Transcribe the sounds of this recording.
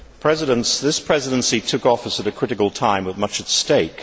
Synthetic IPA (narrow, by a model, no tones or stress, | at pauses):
pʰɹ̥ɛzɨɾə̃nsðɪspʰɹ̥ɛzɨɾɨ̃nsitʰʊkɔfəsɨɾɨkʰɹ̥ɪɾɨkəl̩ˠtʰãɪ̃mwɨðmʌt͡ʃɨtsteɪk